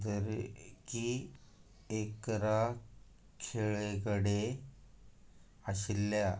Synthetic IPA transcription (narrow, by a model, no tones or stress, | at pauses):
d̪əɾki | ekɾa | kʰeɭeɡəɽe | əɕilːja